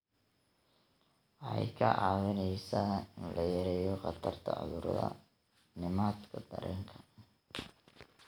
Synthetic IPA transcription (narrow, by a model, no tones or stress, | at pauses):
ʔjkʰɐʔɑːwɪnɛjsaːɪnlʔɐjɛɾɛjɔqɑt̪ʰɐrt̪ʰɐ̰ʔʊ̰ðʊɾðɐ̰ | nɪmaːt̪kʰɐd̪ɐɾɛ̰ːŋkʰɐ̥